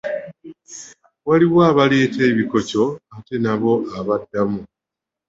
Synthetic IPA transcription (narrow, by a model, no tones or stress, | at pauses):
waliβwaːβale̞ːte̞ːβiko̞co̞ate̞naβo̞ʔaβadːamu